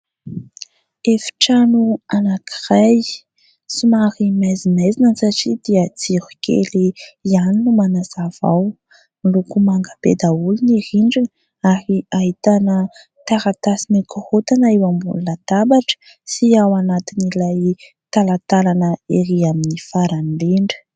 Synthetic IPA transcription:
efi̥ʈ͡ʂanuanakiraj | sumaɾimajzimejzinənsaʈ͡ʂid̪iət͡siɾu̥kʰḛliianinumanazava̰w | milukumaŋɡabḛd̪auluniɾiɳɖ͡ʐinə | aɾiaɦit̪anə | t̪aɾat̪asinikuhot̪anaewambṵnulad̪abaʈ͡ʂə̥ | siawanat̪inilaj | t̪alat̪alanəeɾiaminifaɾanleɳɖ͡ʐə̥

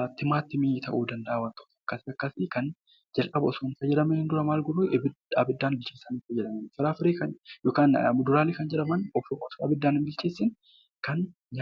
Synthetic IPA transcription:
t̪ɪmaːt̪ːɪmit̪ʰɐ̰ʔuːd̪ɐnd̪ɐʔaːwɐnt̪ɔ̥t̪ɐkːɐsɐkːɐsikɐn | d͡ʒɐlʔʼɐbɐsonfɐd͡ʒɛᶑɐmɛnhɪnd̪ʊɾɐmaːlɡʊɾubɪ | abɪd̪ːaːnbɪlt͡ʃeːsaːniːfɐd͡ʒɛᶑɐmɐnfɪɾaːfɪɾeːkɐnjoːkaːnmʊd̪ʊɾaːlɪkɐnd͡ʒɛᶑɐmɐnɔfɔsɐbɪd̪ːaːnɪmbɪlt͡ʃeːsːɪn | kɐn | ɲ

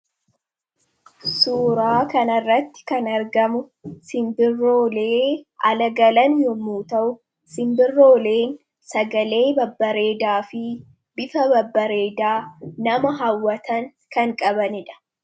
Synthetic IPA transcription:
suːɾaːkɐnɐrːɐt̪ːɪ̥kɐnɐɾɡɐmʊ | sɪmbɪrːo̞ːle̞ːʔɐlɐɡɐlɐnjɔmuːt̪ɐʔʊ | sɪmbɪrːo̞ːle̞ːn | sɐɡɐle̞ːbɐbːɐɾe̞ːd̪aːfɪ | b̥ɪfɐbɐbːɐɾe̞ːd̪aːnɐmɐɦɐwːɐt̪ɐŋ | kɐŋkʼɐbɐnɪᶑɐ̥

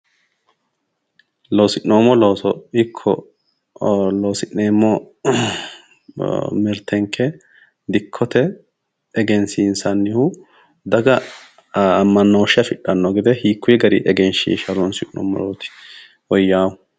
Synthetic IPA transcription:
loːsɪʔnoːmɔloːsɔɪkʰːɔ̰ | loːsɪʔneːmːɔ | mɪɾt̪ʰɛŋkʰːɛ | d̪ɪkʰːɔt̪ɛː | ɡɛnsiːnsɐnːɪhʊ | d̪ɐɡɐː | mːɐnːoːʃɪɐfɪᶑːɐnːɔɡɪd̪ɛhiːkʰːʊjɛɡɐɾɪʔɛɡɛnʃḭʃɐɾonsɪʔno̰ːmːɔ̰loːt̪ɪ̥ | ɔjːaːwʊ

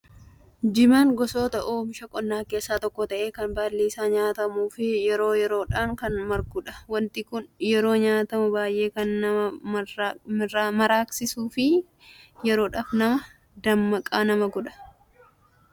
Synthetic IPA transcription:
d͡ʒɪmaŋɡɔso̞ːt̪ɐʔoːmɪʃɐkʼɔnːaːke̞ːsːaːt̪ɔkːɔt̪ɐʔe̞ːkɐnbaːlːiːsaːɲaːt̪ɐmuːfɪjɛɾo̞ːjɛɾo̞ːᶑaːŋkɐnmɐɾɡʊᶑɐ̥wɐnt̪ɪkʊnjɛɾo̞ːɲaːt̪ɐmʊbaːjʔe̞ːkɐnːɐɐ | mɐɾaːksɪsuːfɪ | jɛɾo̞ːᶑaːfnɐmɐ | d̪ɐmːɐkʼaːnɐmɐɡɔᶑɐ̥

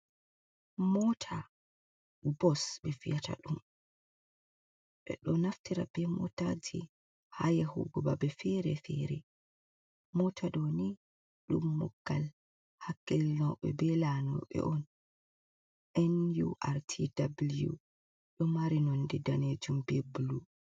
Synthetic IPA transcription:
mɔtʰa | bɔsbɛfijata̰ɗum | ɓɛ̰ɗɔnaftiɾabɛmɔtad͡ʒi | hajahṵɡuba̰bɛfɛɾɛfɛɾɛ | mɔtʰaɗɔni | ɗumːɔ̰ɡːal | hakːɛlnɔɓɛ̰bɛlanɔ̰ɓɛ̰ʔɔn | ʔɛnjuʔaɾtʰidabljṵ | ɗɔmaɾinɔndɛdaned͡ʒumbɛbulu

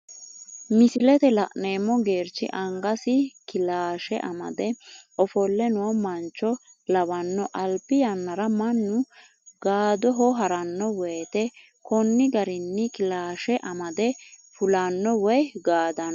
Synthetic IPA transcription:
mɪsɪlɛt̪ɛlɐ̰ʔne̞ːmːɔɡe̞ːɾt͡ʃːɪ̰ʔɐŋɡɐsɪkɪlaːʃɛʔɐmɐ̰d̪ɛʔɔfɔlːɛnʊɔmɐnt͡ʃːɔ | lɐwɐnːɔʔɐlpːɪjɐnːɐɾɐmɐnːʊ | ɡ̥aːd̪ɔɦɔɦɐɾɐnːɔwɛːt̪ɛ | kɔnːɪɡɐɾɪnːɪkɪlaːʃɛʔɐmɐd̪ɛfʊlɐnːɔwɔjɡaːd̪ɐn

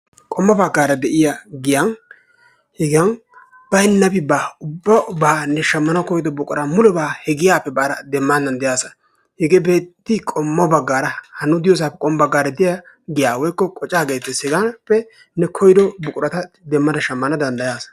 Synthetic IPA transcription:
kʼɔmːɐbɐɡːaːɾɐd̪ɛʔɪjaɡɪjɐn | hɛɡɪɐn | b̥ɐɪnːɐbɪbaːʊbːɐbaːnɛʃɐmːɐnɐkɔjd̪ɔbʊkʼʊɾɐmʊlɔbaːhɛɡɪjaːpːɛbaːɾɐd̪ɛmːand̪ɐnd̪ɛjaːsɐ̥ | hɛɡebe̞ːt̪ːɪkʼɔmːɐbɐɡːaːɾɐhɐnːʊd̪ɪjoːs̬aːpːɛkʼɔmbɐɡːaːɾɐd̪ɪja | ɡɪjaːwɔjkːɔkʼɔt͡ʃʼaːɡeːt̪ːɛsɛɡɐnpːɛ | nɛkʰɔjd̪ɔbʊkʼʊɾɐt̪ɐ | d̪ɛmːɐd̪ɐʃɐmːɐnɐd̪ɐnd̪ɐjaːsɐ̥

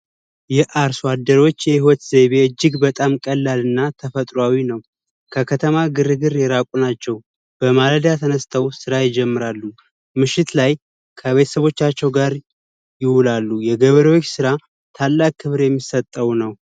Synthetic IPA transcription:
jɛʔaɾswad̪ːəɾo̞t͡ʃːjɛhɪwɔt̪zeβe̞ɨd͡ʒːɪɡbət̪ʼamkʼəlːalɨnːat̪ʰəfət̪ʼɾwawinəw | kʰəkʰət̪ʰəmaɡɨɾɨɡɨɾjɛɾakʷʼunat͡ʃːɛw | b̥əmaləd̪jat̪ʰənəst̪ʰəwsɨɾajɪd͡ʒɛmːɨɾalːu | mɨʃɪt̪laj | kʰəβe̞t̪ʰə̥səβo̞t͡ʃːat͡ʃːɛwɡaɾ | jɪwulalːujɛɡəβəɾo̞t͡ʃːsɨɾa | t̪ʰalːak̚ʼʰːɨβɾjɛmːisət̪ʼːəwnəw

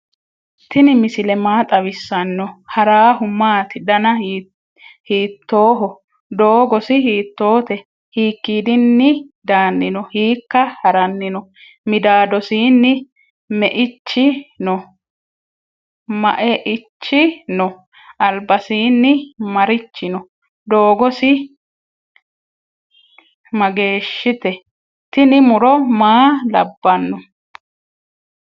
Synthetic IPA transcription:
t̪ːɪnɪmɪsɪlɛmaːt̪ʼɐβɪsːɐnːɔhɐɾaːɦʊmːaːt̪ɪd̪ɐnɐ | hiːt̪ːo̞ːɦɔ | d̪o̞ːɡɔsɪɦiːt̪ːo̞ːt̪ɛ | hiːkːiːd̪ɪnːɪd̪aːnːɪnɔhiːkːɐhɐɾɐnːɪnɔ | mɪd̪aːd̪ɔsiːnːɪ | mɛʔɪt͡ʃːɪnɔ | mɐ̰ʔɛʔɪt͡ʃːɪnɔ | ɐlbɐsiːnːɪmɐɾɪt͡ʃːɪnɔ | d̪oːɡɔsɪ | mɐɡe̞ːʃːɪt̪ɛ | t̪ɪnɪmʊɾɔmaːlɐ̰bːɐnːɔ

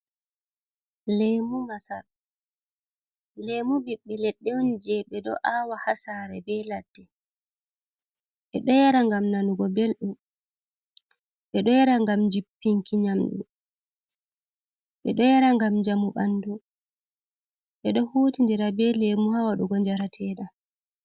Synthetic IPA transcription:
lemumasal | lemubiɓːɛlɛɗːɛwnid͡ʒɛɓɛɗɔ̰ʔawahasaɾɛbɛlad̥ːɛ | ɓɛɗɔjaɾaŋɡamnanuɡɔbelɗum | ɓɛɗɔjɛɾaŋɡamd͡ʒipːiŋkiɲamɗṵ | ɓɛɗɔjɛɾaŋɡamd͡ʒamuɓandu | ɓɛɗɔhuːtindiɾabɛlemuhawaɗuɡɔɲd͡ʒaɾatʰɛːɗa

